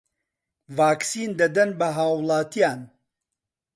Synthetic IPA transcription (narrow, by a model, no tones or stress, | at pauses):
vaːksiːnd̪ɐd̪ɐnbɐɦaːwlˠaːt̪ʰijaːn